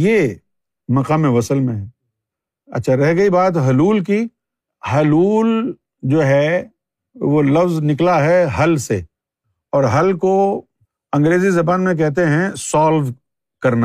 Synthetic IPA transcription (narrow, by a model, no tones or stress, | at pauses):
je | mɐqaːmeʋɐsəlmẽɦɛ̃ | ɐ̰tːʃʰaɾɛɦɡɐibaːt̪ɦɐluːlk̬i | ɦɐluːl | d͡ʒoːɦɛ | ʋolɐfznɪklaɦɛɦɐlse | ɔːɾɦɐlko | ɐ̃ŋɡɾeːzizɐbaːnmẽk̬ɛɦt̪̬eɦɛ̃sɔːlʋ | kɐɾna